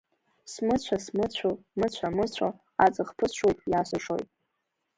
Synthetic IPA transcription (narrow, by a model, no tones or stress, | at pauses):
smɨt͡ɕʷʰasmɨt͡ɕʷʰomɨt͡ɕʷʰamɨt͡ɕʷʰo | at͡sʼɨχpʰɨʃʷojtʼjaːsʷɨʂo̰jtʼ